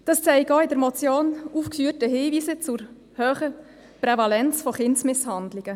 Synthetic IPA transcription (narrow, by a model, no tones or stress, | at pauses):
d̥ɑst͡sɛɪɡɔːɪdəɾmɔt͡sjoːnufkfyətəɦiːviːsət͡sʊɾ | høːχə | prɛvɑlɛnt͡sfɔχɪntsmɪshɑndlɪɡ̥ə